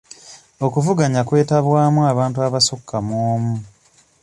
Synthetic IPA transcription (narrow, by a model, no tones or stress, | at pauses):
o̞kuvuɡaɲakwe̞ːtaβwaːmuaːβaːntuaβasokʰːamoːmu